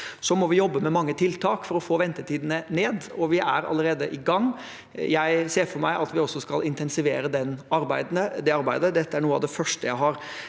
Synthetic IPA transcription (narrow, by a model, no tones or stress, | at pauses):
sɔmɔʋɪjɔbːəmɛmɑŋːət̪ʰɪlt̪ʰɑːkfɔɾɔfoːʋɛnt̪əʈʰiːd̪nəneːd̪ɔʋɪʔæɾɑ̰ləɾeːd̪əʔɪɡɑŋː | jæɪseːɾfɔɾmæɪʔɑt̪ʋɪɔsːɔskɑlɪnt̪ʰɛnsɪʋeːɾəd̪ɛnːɑɾbæɪd̪nəd̪ɛɑɾbæɪd̪əd̪ɛt̪ːəæɳuːɑ̰ʋd̪ɛfœʂʈəjæɪɦɑɾ